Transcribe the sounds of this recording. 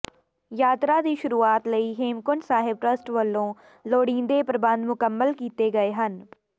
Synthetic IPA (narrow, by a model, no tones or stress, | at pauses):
jaːt̪ɾaːd̪iːʃʊɾuːaːt̪ləiːɦeːmkʊnsaːɦɪb̚ʈɾəsʈʋəlːõː | loːɽĩːnd̪eːpɾəbə̃nd̪mʊkəmːəlkiːt̪eːɡəeːɦən